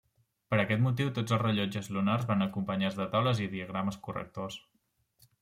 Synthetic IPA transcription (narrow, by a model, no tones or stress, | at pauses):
pəɾəkɛt̪mut̪̬iwt̪od͡zəlˠrəʎɔd͡ʒəzlunarzβanəkumpəɲazðət̪awləziðiəɣ̞ɾaməskurə̰k̚t̪os